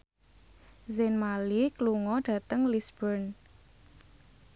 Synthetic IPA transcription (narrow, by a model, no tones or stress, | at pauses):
zenmalikluŋɔɖ̥ä̤t̪əŋlisb̥ərn